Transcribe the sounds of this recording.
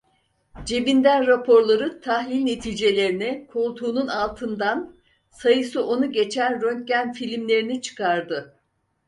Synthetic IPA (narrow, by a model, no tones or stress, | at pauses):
d͡ʒe̞vind̪ænɾapʰo̞ɾlˠaɾɯt̪ʰahlʲilʲne̞t̪ʰiːd͡ʒe̞lʲe̞ɾinɛkʰolˠt̪ʰuːnunalˠt̪ʰɯnd̪an | sajɯsɯʔo̞nuɟe̞t͡ʃʰænɾønt̪̚ɟænfilʲimlʲe̞ɾinit͡ʃʰɯ̥kʰaɾd̪ɯ